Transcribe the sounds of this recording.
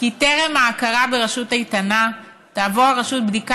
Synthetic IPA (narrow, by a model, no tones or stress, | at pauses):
kiteʁemaːkaʁabeʁaʃutaitana | taːvoʁaʁaʃut̚bdik